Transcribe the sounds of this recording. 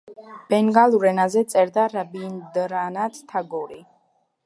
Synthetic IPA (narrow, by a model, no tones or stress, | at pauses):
b̥ɛŋɡalˠuɾɛnazɛt̪sʼɛɾd̪aɾabind̪ɾanat̪ʰt̪ʰaɡɔɾi